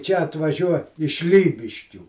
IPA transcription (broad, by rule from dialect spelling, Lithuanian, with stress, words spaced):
t͡ʃʲɛ ɐtʋɐˈʒʲuɔ ɪʃ ˈlʲiːbʲɪʃʲkʲuː